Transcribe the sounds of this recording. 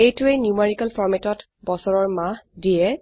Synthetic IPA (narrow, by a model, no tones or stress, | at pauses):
ejtʊeniumaɹikalpʰɔɹmetɔt | bɔsɔɹɔɹmahdiɛ